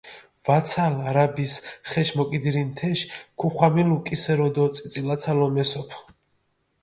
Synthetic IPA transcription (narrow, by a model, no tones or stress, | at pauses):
vat̪sʰalaɾabisχɛʃmɔkʼid̪iɾint̪ʰɛʃkʰuχwamilukʼisɛɾɔd̪ɔt̪sʼit̪sʼilat̪sʰalɔmɛsɔpʰ